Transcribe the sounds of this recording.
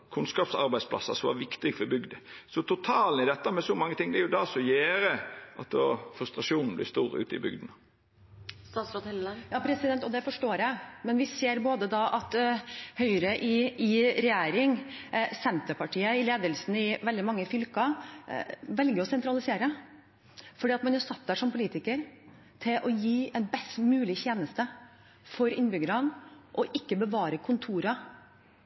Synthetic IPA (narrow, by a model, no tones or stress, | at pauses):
kʰʉnskɑːpsɑ̰ɾbæɪdspʰlɑ̰sɑ̰sɔʋɑ̰ɾʋɪkt̪ɪɡfɔbʏɡd̪əsɔt̪ʰʊt̪ʰɑːln̩ɪd̪ɛt̪ːəmɛsɔmɑŋːət̪ʰɪŋːd̪ɛɾjʊd̪ɑsɔjeːɾəʔɑt̪ɔfɾʉst̪ɾɑʂuːnn̩blɪ̰st̪uːɾʉ̰ːt̪ɪ̰bʏɡd̪n̩ | st̪ɑːsɔt̪hɛjɑːpʰɾɛsɪd̪ɛnt̪ɔd̪ɛfɔʂʈoːɾjæɪmɛnʋɪseːɾboːd̪əd̪ɑʔɑt̪hœʏɾəʔɪɪɾɛjeːɾɪŋsɛnt̪əpɑʈʰiːəɪleːd̪əlsn̩ɪʋɛld̪ɪmɑŋːəfʏlkɑ | ʋɛlɡəɾɔsɛnt̪ɾɑlɪseːɾə | fɔɖiːɑt̪mɑnjʊsɑt̪̚ːd̪æʂɔmpʰʊliːt̪ɪkəɾ | t̪ʰɪlʔɔjiːʔɛnbɛst̪mʉːlɪçeːnəst̪ə | fɔɾɪnːbʏɡəɾɑnʔɔʔɪkːəbəʋɑːɾəkʰʊnt̪ʰuːɾɑ